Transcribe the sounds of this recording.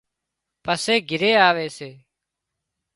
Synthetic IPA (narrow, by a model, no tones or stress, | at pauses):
pəseːɡʱɪɾeːaːʋeːseː